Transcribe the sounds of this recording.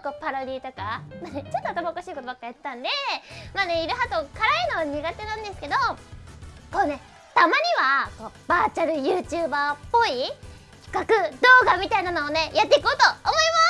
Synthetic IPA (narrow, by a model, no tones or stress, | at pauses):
ko̞ːpaɾod̪ʲiːt̪o̞kamanet͡ɕot̪ːoat̪amaookaɕiːkot̪obakːajat̪t̪ːãnd̪e̞maːne̞iɾɯ̟ɦat̪okaɾainoaɲ̟iɡat̪e̞nãnd̪e̞sɨ̥ke̞d̪o̞ | koːne̞ | t̪amaɲ̟iβako̞ːb̥aːt͡ɕaɾɯ̟jɯːt͡ɕɨːbaːpːo̞i | kʲi̥kakɯ̟d̪o̞ːɡamʲit̪ainano̞ːne̞jat̪ːeikoːt̪o̞ːmo̞ima